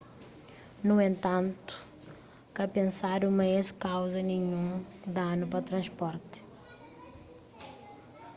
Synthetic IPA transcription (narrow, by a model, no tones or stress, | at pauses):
nuẽnt̪ɐ̃nt̪u̥ | kɐpẽnsaɾumɐeskawzɐnẽɲũd̪anʊpɾɐt̪ɾɐ̃ʃpɔɾt̪